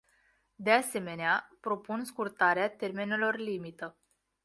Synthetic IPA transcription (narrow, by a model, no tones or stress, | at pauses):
d̪e̞ase̞me̞neapɾo̞punskurt̪aɾeat̪e̞rme̞ne̞lo̞rlimit̪ə